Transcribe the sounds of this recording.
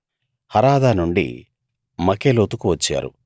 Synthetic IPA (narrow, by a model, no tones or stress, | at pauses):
hɐɾaːd̪aːnuɳɖḭ | mɐkeːloːt̪ukuʋɐt͡ʃːa̰ːɾṵ